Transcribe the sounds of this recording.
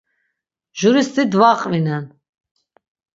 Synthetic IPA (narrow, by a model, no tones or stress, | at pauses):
ʒuɾist̪id̪vaqʼvinɛn